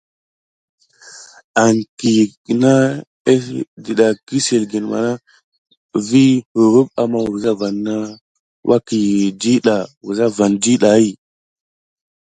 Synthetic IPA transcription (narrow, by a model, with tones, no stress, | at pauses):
a˨ŋki˨ki˨na˦ | e˦di˨ɗa˨ki˦se˨lɡi˨nma̰˨na˦ | vi˦hu˨ɾu˦ba˨ma˦wu˨ɾza˦va˨nːa˦ | wʔa̰˦ki˨di˦ɗa˨wu˨za˦va˨ndi˦ɗa˨i˦˨